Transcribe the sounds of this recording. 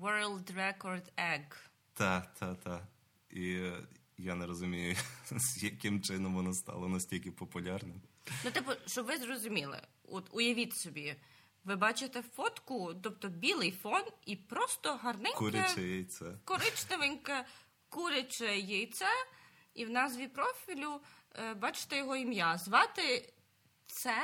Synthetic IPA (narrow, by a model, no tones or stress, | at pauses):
ʋɛɹlˠd̪rɛkɔrd̪ɛɡ | t̪ɑt̪ʰakt̪ɑ | i | janɛɾɔzʊmʲijʊz̥jɐkɪmt͡ʃɪnɔmʋɔnɔst̪ɑ̰lˠɔnɐsʲtʲilʲkɪpɔpʊlʲarnɪmnʊt̪ɪpɔʃt͡ʃɔbʋɪzrɔzʊmʲilˠɪ̰ɔt̪ʊjɐʋʲit̪sɔbʲi | ʋɪbɑt͡ʃɪt̪ɛfɔt̪kʊt̪ɔpt̪ɔbʲilˠɪjfɔnipɾɔst̪ɔɦɐrnɪnuɾʲɪɐt͡ʃɛjɛjt̪sɛkɔɾɪt͡ʃnɐʋɪnʲkɐ | kuɾʲet͡ʃɛjɛjt̪sɛ | iwnɑzʋʲipɾɔfʲilʲʊbɑt͡ʃɪ̥t̪ɛjɔɦɔimjazʋɑt̪ɪ | t̪sɛ